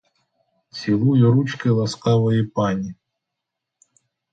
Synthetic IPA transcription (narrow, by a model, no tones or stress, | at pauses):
t͡sʲilˠujiɾut͡ʃkɪlˠɐskɑʋɔjipɑnʲi